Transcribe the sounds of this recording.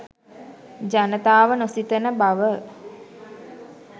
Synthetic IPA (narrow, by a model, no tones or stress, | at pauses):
d͡ʒanət̪aːʋənosit̪ənəbaʋə